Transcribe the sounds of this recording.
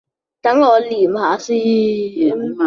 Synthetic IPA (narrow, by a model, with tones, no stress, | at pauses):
ta˨˦ŋ˦ɔ˨˦li˨m˦a˨˦si˦˨˦